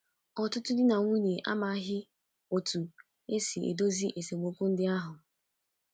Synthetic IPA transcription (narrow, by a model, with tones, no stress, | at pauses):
ɔ˨tʊ˦tʊ˦dɪ˦na˨ŋʷu˦ɲe˨ʔa̰˦ma˨a˦ɦɪ˦ | o˨tu˨ | e˦si˨ḛ˨do˦zi˦ʔe˨se˨ɡ͡bo˨˦kʷu˦n̩˦dɪ˦a˦ɦʊ˨